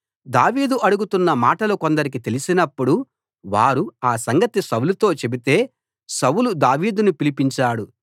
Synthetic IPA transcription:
d̪aːʋiːd̪uʔɐɽuɡut̪unːɐmaːʈɐluko̞nd̪ɐɾik̬it̪e̞lisinɐpːuɽu | ʋaːɾuaːsɐŋɡɐt̪isɐwulut̪o̞ːt͡ʃe̞bit̪e̞ː | sɐwulud̪aːʋiːd̪unupilipiɲt͡ʃaːɽu

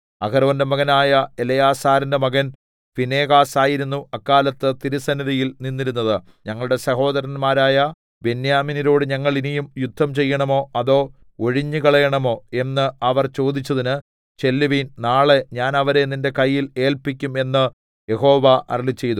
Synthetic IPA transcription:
ɐkɐɾɐʋɐndemɐɣɐnaːjɐelɐjaːsaːɾɐndemɐɣɐn | fine̞ːɣaːsaːjiɾunːuɐkːaːlɐt̪ːɨt̪iɾisɐnɐɾijilninːiɾunːɐðɨ | ɲɐŋːɐɭuɽe̞sɐho̞ːðɐɾɐnmaːɾaːjɐ | be̞njaːminiɾo̞ːɽɨɲɐŋːɐɭinijumjud̪ʱːɐmt͡ɕe̞jːɐɳɐmo̞ːɐðo̞ː | o̞ɻiɲːɨkɐɭɐjɐɳɐmo̞ːe̞nːɨɐʋɐrt͡ɕo̞ːd̪it͡ɕːɐðinɨ | t͡ɕe̞lːiʋinnaːɭe̞ɲaːnɐʋɐɾe̞ninde̞kɐjːile̞ːlpikʲːume̞nːɨ | je̞ɦo̞ːʋɐʔɐ̰rlit͡ɕːe̞jt̪u

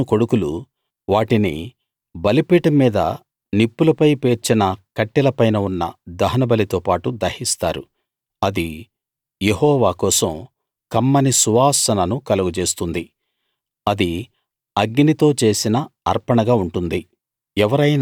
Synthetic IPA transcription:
uko̞ɽukulu | ʋaːʈinḭ | bɐlipiːʈɐmːiːd̪ɐ̰ | nipːulɐpɐjpeːɾt͡ʃinɐkɐʈːilɐpɐjnɐunːɐ̰d̪ɐɦɐnɐbɐlit̪oːpaːʈud̪ɐhist̪a̰ːɾu | ɐd̪i | jehɔːʋaːkɔːsɐm | kɐmːɐnisuʋaːsɐnɐnukɐlɐɡut͡ʃe̞ːst̪und̪i | ɐd̪i | ɐɡːinit̪o̞ːt͡ʃe̞ːsinɐːɾpɐɳɐɡaːuɳʈund̪i | ɛʋɐɾɐjn

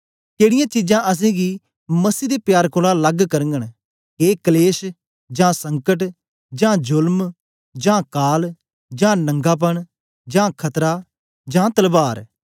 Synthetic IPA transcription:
keːɽɪjãt͡ʃid͡ʒãːʔɐs̬ɛ̃ɡi | mɐsiːd̪epjaːɾkoːlalɐɡkɐɾəŋɡəɽ̃ | keːkəleːs | d͡ʒãːsɐ̃ŋkəʈ | d͡ʒãːd͡ʒʊlm | d͡ʒãːkaːl | d͡ʒãːnɐ̃ŋɡaːp̬ɐɳ | d͡ʒãːkʰɐt̪ɾa | d͡ʒãːt̪əlbaːɾ

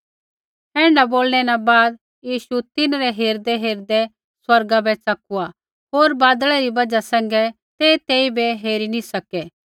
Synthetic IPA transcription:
ɛ̃ːɳɖaboːlɽ̃ɛnabaːd̪ | jiːʃut̪ɪnɾɛɦeːɾd̪ɛɦeːɾd̪ɛ | swɐɾɡabɛt͡sɐkua | ɦoːɾbaːd̪ɭɛɾibɐd͡ʒasɛ̃ːŋ̆ɡɛ | t̪eːt̪eːibɛɦeːɾinisɐkɛː

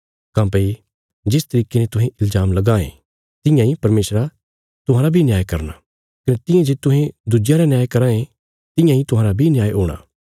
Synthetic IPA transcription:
kãːpɐi | d͡ʒɪst̪ɐɾiːkenɛt̪ʊɦẽʔɪlzaːmlɐɡaːḛ̃ | t̪ɪ̃jãĩpɐɾmeːsɾa | t̪ʊɦãːɾabʱinjaːjkɐɾna̰ | kɐnet̪ɪ̃jãd͡ʒeːt̪ʊɦẽd̪ud͡ʒɪjãɾanjaːjkɐɾãːẽ | t̪ɪ̃jãĩt̪ʊɦãːɾabʱinɪjaːjɦoːɽ̃a̰ː

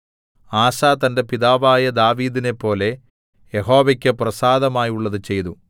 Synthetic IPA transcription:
aːsaːt̪ɐnde̞piðaːʋaːjɐd̪aːʋiːd̪ine̞pːo̞ːle̞ | jeɦo̞ːʋɐkʲːɨprɐsaːd̪ɐmaːjuɭːɐðɨt͡ɕe̞jt̪u

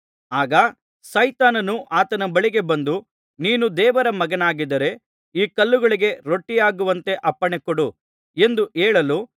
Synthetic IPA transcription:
aːɡɐ | sɐjt̪aːnɐnuʔaːt̪ɐnɐbɐɭiɡe̞bɐnd̪u | niːnud̪ɛːʋɐɾɐmɐɡɐnaːɡid̪ɐɾe̞ | iːkɐlːuɡɐɭiɡe̞ɾo̞ʈːijaːɡuʋɐnt̪e̞ʔɐpːɐɳekoɽu | e̞nd̪uʔeːɭɐlu

